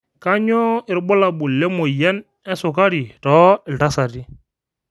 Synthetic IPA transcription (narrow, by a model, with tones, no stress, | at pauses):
ka˦ɲɔ˦ɪ˨ɾbɔ˦la˨bu˨lːɛ˦mo˨jɛ˦n | ɛ˦sʊ˨ka˦ɾi˨tɔː˦ɪ˨lta˦sa˨ti˦